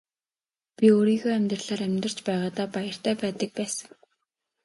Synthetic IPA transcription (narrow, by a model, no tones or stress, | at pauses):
pʲioːɾiːɣoːæmʲt̪rəɮaːɾæmʲt̪rə̆r̥t͡ɕpæːʁaːt̪aːpajə̆r̥t̪ʰæːpæːt̪ə̆k̚pæːsə̥̆ŋ